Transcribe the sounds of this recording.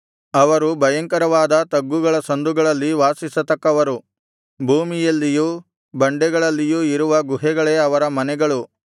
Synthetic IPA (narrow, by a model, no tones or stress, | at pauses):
ɐʋɐɾubʱɐjɐŋkɐɾɐʋaːd̪ɐt̪ɐɡːuɡɐɭɐsɐnd̪uɡɐɭɐlːiʋaːsisɐt̪ɐkːɐʋɐɾu | bʱuːmijɐlːijuː | bɐɳɖɛɡɐɭɐlːijuiɾuʋɐɡuɦɛɡɐɭe̞ːɐʋɐɾɐmɐnɛɡɐɭu